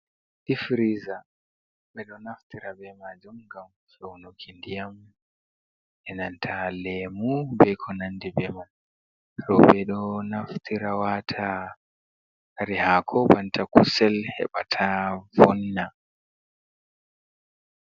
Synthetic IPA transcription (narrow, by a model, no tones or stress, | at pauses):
ɗifɾiza | ɓɛɗɔnaft̪iɾabɛmad͡ʒumɡam | fɛunukʰindijam | ɛnantʰalɛmubɛkʰɔnandibɛmam | ɾɔbɛɗɔnaft̪ʰiɾawatʰa | aɾihakʰɔbantʰakusɛlhɛ̰ɓa̰tʰavɔnːa